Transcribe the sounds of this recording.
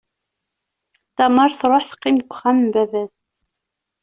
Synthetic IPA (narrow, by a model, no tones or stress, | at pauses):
θæmɑɾˤθɾˤoħθə̥qːimɡʷχæmmbævæs